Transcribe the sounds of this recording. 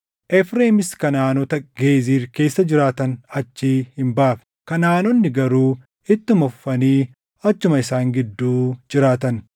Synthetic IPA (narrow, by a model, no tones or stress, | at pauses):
ʔɛfɾeːmɪskɐnaːnɔt̪ɐɡeːziːɾke̞ːsːɐd͡ʒɪɾaːt̪ɐnɐt͡ʃːiːhɪmbɐʔaːf | kɐnaːnɔnːɪɡɐɾuː | ɪt̪ːʊmɔfːɐniː | ɐt͡ʃːʊmɐɪsaːŋɡɪd̪ːuːd͡ʒɪɾaːt̪ɐn